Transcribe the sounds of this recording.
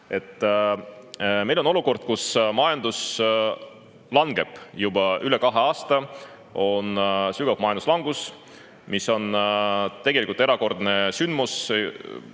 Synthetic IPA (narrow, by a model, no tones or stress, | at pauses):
e̞t̪ːˑ | mejlono̞luko̞rd̪̥̚kusmɑjɑnd̪̥us | lɑŋɡ̥e̞b̥jubɑʔyle̞kɑɦe̞ɑːst̪ɑ | o̞nsyɡ̥ɑvmɑjɑnd̪u̥slɑŋɡ̥us | miso̞nt̪e̞ɡ̥e̞likult̪e̞ɾɑko̞rd̪ne̞synd̪̥mus